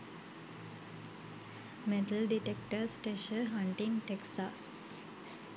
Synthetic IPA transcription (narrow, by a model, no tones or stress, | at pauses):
met̪əlɖiʈek̚ʈəsʈeːʃəɦãɳʈĩŋʈeksas